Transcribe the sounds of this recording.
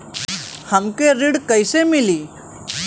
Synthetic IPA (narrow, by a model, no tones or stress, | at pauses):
həmkeɾiɽkəjsemiliː